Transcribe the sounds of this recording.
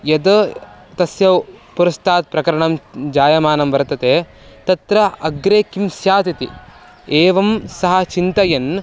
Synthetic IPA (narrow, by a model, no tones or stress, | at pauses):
jɐd̪ɐt̪ɐsjɐʋpuɾɐst̪ʰaːt̪̚pɾɐkɐɾɐɳɐmd͡ʒaːjɐmaːnɐmʋɐɾt̪ɐt̪eː | t̪ɐt̪ɾɐɐɡɾeːkimsjaːt̪it̪ḭ | eːʋɐmsɐɦɐ̆t͡ʃint̪ɐjɐn